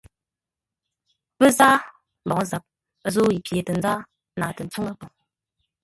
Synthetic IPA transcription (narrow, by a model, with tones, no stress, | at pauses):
pə˦zaː˦ | m̩˨bɔ˨ŋ˦za˨p̚ | zoː˦i˨pje˨tə˨n˦d͡za˦ | naː˨tə˨n̩˨˦t͡su˦ŋa˦po˨ŋ